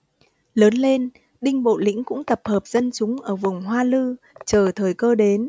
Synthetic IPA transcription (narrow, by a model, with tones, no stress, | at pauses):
ləː˨˦nle˧n | ɗï˧ŋ̟ɓo̰˧˨lḭ̈˧˥ŋkʊ̰˧˥ŋ͡mt̪ə˨˩p̚həː˨˩p̚z̥ə˧nt͡ɕʊ˨˦ŋ͡mʔəː˧˩vʊ˨˩ŋ͡mɦwaː˧lɨ˧ | t͡ɕəː˧˩t̪ʰəː˨˩jkəː˧ɗe˨˦n